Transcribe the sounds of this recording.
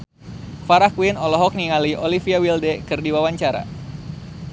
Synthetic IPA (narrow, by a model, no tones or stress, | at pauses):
faɾahkwinɔlɔɦɔk̚niŋaliʔɔlifiawildɛkɨrdiwawaɲt͡ʃaɾa̰